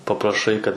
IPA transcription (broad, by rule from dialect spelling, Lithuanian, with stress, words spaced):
pɐprɐˈʃɐɪ kɐt